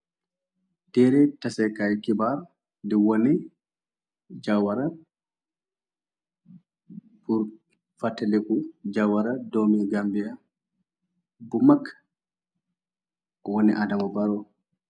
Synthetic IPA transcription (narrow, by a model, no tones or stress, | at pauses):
d̥ɛɾɛtasɛkajkibaɾ | dɛwoni | d͡ʒawaɾa | buɾ | fatːɛlɛkud͡ʒawaɾadomiɡambija | bumakː | ɔwoniʔadamavaɾɔ